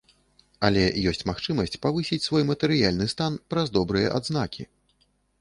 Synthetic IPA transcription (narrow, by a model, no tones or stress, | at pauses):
ɐlʲɛjɔsʲt͡sʲmaxt͡ʂɨmɐsʲt͡sʲpavɨsʲit͡sʲsvɔjmɐt̪ɛɾɨjalʲnɨst̪anpɾɐzd̪ɔbɾɨjɐ̰ʔad̪znakʲʰḭ